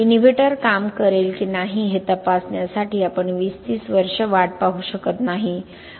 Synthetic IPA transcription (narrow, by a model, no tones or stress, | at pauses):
inibʱiʈəɾkamkəɾelkiːnaɦiɦet̪əpasnjasaʈiːapəɳʋiːst̪iːsʋəɾʂəʋaʈ̚paɦuɕəkət̪naɦi